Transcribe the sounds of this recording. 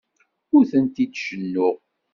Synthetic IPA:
ʊɾθənt̪id̪ʃənːʊʁ

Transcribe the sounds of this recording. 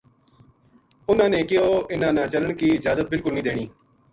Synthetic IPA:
ʊnãːnẽːkɪjoːɪnãːnãːt͡ʃələɳkiːɪd͡ʒaːzət̪̚bɪlkʊlnĩːd̪eːɽiː

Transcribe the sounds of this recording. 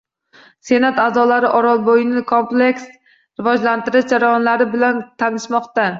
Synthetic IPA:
se̞nat̪azɒlaɾɪʔɒɾɒlˠbojɪnɪkʰompleks | ɾɪvɒd͡ʒlant̪ɪɾɪʃd͡ʒaɾajɒnlaɾɪbɪlant̪ʰanɪʃmɒqt̪a

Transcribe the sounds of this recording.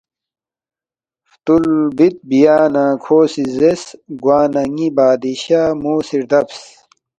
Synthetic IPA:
ft̪ulbit̪̚bijaːnaːkʰoːsizesɡwaːnɐŋibaːd̪iɕaːmoːsiɾd̪ɐbs

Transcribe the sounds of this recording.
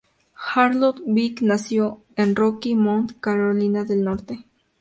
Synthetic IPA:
xaɾlot̪biknasjo | enrokimõnt̪kaɾolinaðelnoɾt̪e

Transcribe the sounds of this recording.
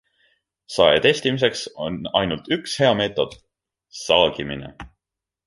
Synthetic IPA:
sɑḛt̪e̞st̪imise̞ksonɑjnult̪ykshe̞ɑme̞ːt̪ˑo̞d̪̥ | sɑːɡ̥iminḛ

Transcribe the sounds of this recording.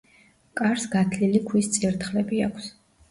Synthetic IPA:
kʼaɾsɡat̪ʰlilikʰwist̪sʼiɾt̪ʰχlɛbiakʰs

